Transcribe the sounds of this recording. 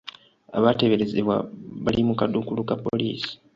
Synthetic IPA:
aβate̞βe̞ɾe̞zeβwa̰βalimukadukulukapoliːsi̥

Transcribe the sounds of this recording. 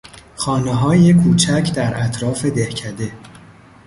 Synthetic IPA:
xɒːneɦɒːjekʰuːt͡ʃʰæcʰd̪æɾʔæt̪ʰɾɒːfe̞d̪ehcʰæd̪e̞

